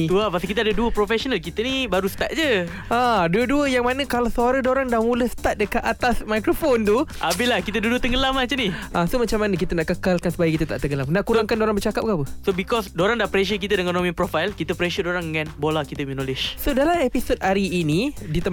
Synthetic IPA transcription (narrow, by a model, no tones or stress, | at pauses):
t̪uapasəkit̪̬adəduəpɾofɛʃonalkit̪ənibaɾusə̥t̪at̪̚d͡ʒə | ʔaduəduəjaŋmanə̃kalasəaɾədoɾaŋdamũləhsə̥t̪at̪̚dəkat̪at̪asmajkɾofont̪uʔabɪlahkit̪əduduət̪əŋɡəlamat͡ʃaniʔasomat͡ʃamanək̬it̪ənaʔkəkalkansəbajakit̪ət̪a̰ʔt̪əŋɡəlamnaʔkuɾaŋkandoɾaŋbərt͡ʃakap̚kapəsobikɔsdoɾaŋdaʔpɾɛʃ̬ək̬it̪ədəŋanomĩnpɾofajlkit̪əpɾɛʃədoɾaŋdəŋãnbolakit̪əminolɪʃsodalamɛpisot̚aɾiːnidit̪ə